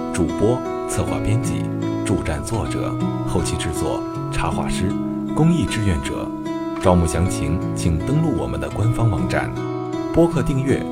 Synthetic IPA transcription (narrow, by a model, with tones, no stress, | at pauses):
ʈ͡ʂu˨˩pwɔ˥ | t͡sʰɤ˥˧xwa̰˥˩pjɛ˥nt͡ɕḭ˥˩ | ʈ͡ʂu˥˧ʈ͡ʂa˥˧nt͡swɔ˥˩ʈ͡ʂɤ̰˨˩˦xo˥˧ʊt͡ɕʰi˥˧ʈ͡ʂɻ̩˥˧t͡swɔ̰˥˩ | ʈ͡ʂʰa˧˥xwa̰˥˩ʂɻ̩˥ | kʊ˥ŋi˥˧ʈ͡ʂɻ̩˥˧ɥɛ˥˩nʈ͡ʂɤ̰˨˩˦ | ʈ͡ʂɑ˥ʊmu˥˩ɕjɑ˧˥ŋt͡ɕʰi˧˥ŋt͡ɕʰi˨˩ŋt̪ɤ˥ŋlu˥˩wɔ˨˩mə̰˦nd̪ə˦kwa˥nfɑ˥ŋwɑ˧˥ŋʈ͡ʂa̰˨˩˦n | pwɔ˥kʰɤ˥˧t̪i˥˧ŋɥɛ̰˥˩